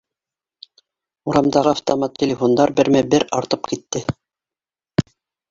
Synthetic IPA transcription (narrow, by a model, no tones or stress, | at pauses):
uɾɑmd̪ɑʁɤɑft̪omɑt̪tʲːelʲɪfond̪ɑɾbɘ̆ɾmæbɘɾɑɾt̪ɤp̚kit̪ːɘ